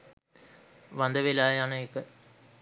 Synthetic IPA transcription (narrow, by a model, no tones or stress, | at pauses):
ʋɐnd̪ɐʋilaːjanɐekːə